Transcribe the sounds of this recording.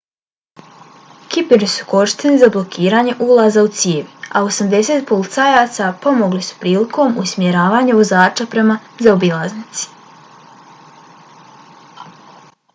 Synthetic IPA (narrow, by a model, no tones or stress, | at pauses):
kipeɾisu̥ko̞ɾi̥ʃt̪enizablˠo̞kʰiːɾaːɲe̞ʔulˠazaut̪sieʋiao̞samd̪e̞se̞ːt̪po̞lit̪sajaːt̪sapo̞moɡlisu̥pɾiːlikʰo̞ːmusmjeɾaːʋaːɲaʋozaːt͡ʃapɾe̞ma | zaobilˠaznit̪si̥